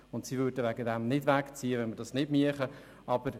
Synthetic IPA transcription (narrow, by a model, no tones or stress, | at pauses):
ʊntsivʏdəʋæɡədɛmnɪdʋækt͡siːəʋɛnmədɑsnɪdmiəχə | ɑb̥əɾ